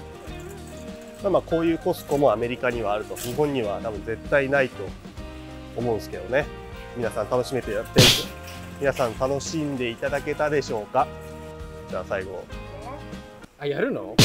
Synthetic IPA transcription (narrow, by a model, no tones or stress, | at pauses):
maːmaːko̞ːjɯ̟ːko̞sɨ̥ko̞mo̞ame̞ɾʲikaɲ̟iβ̞aːɾɯ̟t̪o̞ɲ̟iɦõ̞ɲ̟ːiβat̪abɯ̟̃nd͡ze̞t̪ːainait̪o̞ː | mo̞ɯ̃nsɨ̥ke̞d̪o̞ne̞ | mʲinasãnt̪ano̞ɕime̞t̪ejat̪ːe | mʲinasãnt̪ano̞ɕĩnd̪e̞it̪ad̪ake̞t̪ad̪e̞ɕo̞ːka | d͡ʑaːsaiɡo̞̰ | ajaɾɯ̟no̰